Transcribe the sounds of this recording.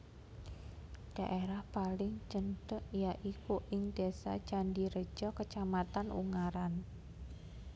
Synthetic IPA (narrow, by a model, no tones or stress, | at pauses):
ɖ̥aʔeɾahpalɪŋt͡ʃənɖəʔjaʔikoʔɪŋdasa̰t͡ʃandiɾə̥d͡ʒɔkət͡ʃamat̪anṵŋaɾan